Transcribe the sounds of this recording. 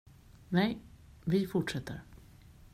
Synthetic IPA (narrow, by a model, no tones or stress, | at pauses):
nɛj | vɪfʊʈʂɛt̪ʰːə̰ɾ